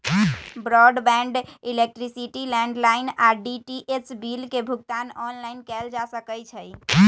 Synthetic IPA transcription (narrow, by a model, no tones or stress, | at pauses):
bɾɔɖbɛ̃ɳɖilek̚ʈɾisiʈilɛ̃ɳɖlaɪnaɖiʈiʔet͡ʃbilkebʱuɡt̪anɔnlajnkɛld͡ʒasəkəjt͡ʃʰəj